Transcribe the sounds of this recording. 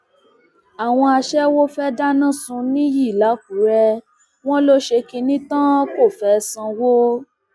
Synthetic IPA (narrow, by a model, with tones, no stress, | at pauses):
a˨w̃ɔ̃˧a˧ʃɛ˦wo˦fɛ˦da˦nã˦˨sũ˧nĩ˦ji˦˨la˨˦k̚u˨˦ɾɛ˧ | w̃ɔ̃˦lo˦ʃe˧ki˧nĩ˦tã˦ko˦˨fɛ˨˦˧sã˧wo˦